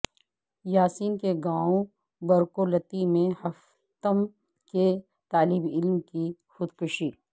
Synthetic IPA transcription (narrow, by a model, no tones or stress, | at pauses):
jaːsiːnkeɡãːõ | bɐɾkolɐt̪imẽhɐf | t̪əm | ke | t̪aːliːbɪlmki | xʊd̪kʊʃiː